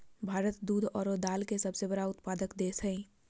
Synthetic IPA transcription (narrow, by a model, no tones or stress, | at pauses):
bʱaːɾət̪d̪uːd̪ʱɔːɾod̪aːlkesəbsebəɽaʊt̪paːd̪əkd̪eːsɛ̃ĩ